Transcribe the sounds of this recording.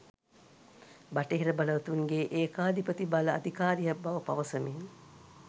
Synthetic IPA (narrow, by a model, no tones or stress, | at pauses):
baʈeɦiɾəbaləʋɐt̪uŋɡeʔeːkaːd̪ipət̪ibaləa̰d̪ʱikaːɾijɐbaʋəpa̰ʋəsəmin